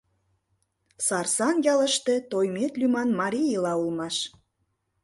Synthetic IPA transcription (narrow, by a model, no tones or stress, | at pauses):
sɑrsɑnjɑlə̆ʃt̪et̪ojmet̪lymɑnmɑɾʲijəlɑulmɑʃ